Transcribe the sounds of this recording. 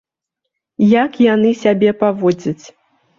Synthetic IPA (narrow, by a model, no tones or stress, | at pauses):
jakjanɨsʲabʲɛpavɔd͡zʲɐt͡sʲ